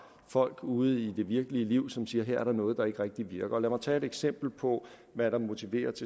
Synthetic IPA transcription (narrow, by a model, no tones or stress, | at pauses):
fɒ̽l̰ɡ̥uːð̞̩ˠid̥e̝ʋiɐɡ̥əliəliʊ̰sɒ̽msiːɐɦeɐ̰æɐɾ̥ɑ̈nɔ̽ːð̞̩ˠd̥ɑ̈e̝ɡ̥əʁeɡ̥̚d̥iʋiɐɡ̥ɐɒ̽læmɑ̈ɪt͡sʰɛ̰ːe̝ɾeɡ̥sem̰b̥l̩pʰɒ̽ | ʋæɾɑ̈mo̝t͡sʰiʋe̝̰ːɐt͡sʰe̝